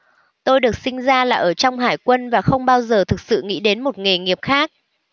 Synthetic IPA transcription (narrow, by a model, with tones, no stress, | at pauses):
t̪o˧jɗɨ˨˩ək̚sï˧ŋ̟zaː˧laː˨˩ʔəː˧˩t͡ɕɔ˧wŋ͡mɦaː˧˩jkwə˧nvaː˨˩xə˧wŋ͡mɓaː˧wzəː˨˩t̪ʰɨ˨˩k̚sɨ̰˧˨ŋḭ˧˥ɗe˨˦nmo˨˩t̚ŋe˨˩ŋi˨˩əp̚xaː˦˥k̚